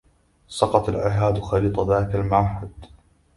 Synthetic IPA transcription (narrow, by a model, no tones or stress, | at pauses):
sɑqɑt̪alʕɪɦaːd̪xaliːt̪ˤɑðaːkalmaħad̪